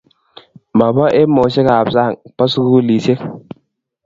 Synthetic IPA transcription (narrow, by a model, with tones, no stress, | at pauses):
ma˨bɔ˦ʔe˦mo˨˦se˦ka˨bsa˦˨ŋpɔ˦sku˦li˨se˦k